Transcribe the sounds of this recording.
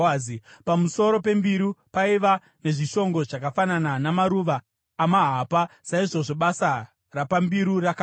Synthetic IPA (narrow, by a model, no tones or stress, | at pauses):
ipamuso̞ɾo̞pe̞mbiɾupaiʋa | ne̞ʐiʃo̞ŋɡo̞ʐakafanananamaɾuːʋaː | maɦapasaiʐo̞ʐe̞ɓasa | rapambiɾuraka